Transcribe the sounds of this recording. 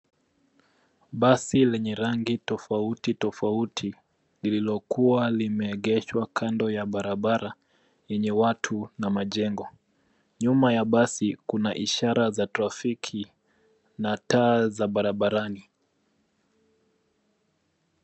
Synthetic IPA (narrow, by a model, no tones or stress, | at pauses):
ɓasilɛɲɛɾaŋɡitɔfautitɔfautʰi | lililɔkuwalimɛːɠɛʃwakʰandɔjaɓaɾaɓaɾa | jɛɲɛwatʰunamaʄɛŋɡɔ | ɲumajaɓasikunaʔiʃaɾazatɾafikʰi | nataːzaɓaɾaɓaɾani